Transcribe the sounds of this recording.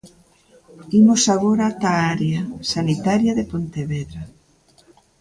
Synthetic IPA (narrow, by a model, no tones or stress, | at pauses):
imosaɣoɾat̪aaɾjasanit̪aɾjaðepont̪eβeðɾa